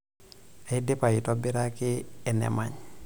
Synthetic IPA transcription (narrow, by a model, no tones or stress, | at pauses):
adepajitobiɾakiɛnɛ̰maɲ